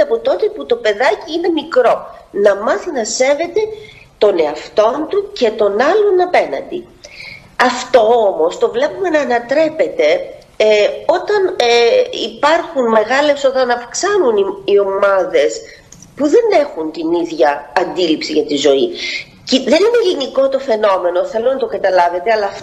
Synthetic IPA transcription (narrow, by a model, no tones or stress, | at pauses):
ɐpot̪o̞t̪e̞put̪o̞pe̞ðɐciine̞mikɾo̞nɐmɐθinɐse̞ve̞t̪e̞ | t̪o̞ne̞ɐft̪o̞nt̪uce̞t̪o̞nɐlo̞nɐpe̞nɐ̰nd̪i | ɐft̪o̞omo̞st̪o̞vle̞pume̞nɐːnɐt̪ɾe̞pe̞t̪e̞ | o̞t̪ɐn | ipɐɾxunme̞ɣɐle̞so̞t̪ɐnɐfksɐnuniio̞mɐðe̞s | puðe̞ne̞xunt̪iniðʝɐːnd̪ilipsiʝɐt̪izo̞i | ciðe̞nine̞liniko̞t̪o̞fe̞no̞me̞no̞θe̞lo̞nɐt̪o̞kɐt̪ɐlɐve̞t̪e̞ɐlɐf